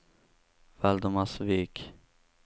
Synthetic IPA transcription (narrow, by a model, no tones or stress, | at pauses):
vɛld̪ɔmasviːk